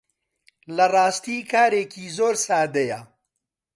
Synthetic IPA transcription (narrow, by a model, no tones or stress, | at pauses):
lɐrˤɑːst̪iːkʰaːɾeːkiːzoːɾsaːd̪ɐjɐ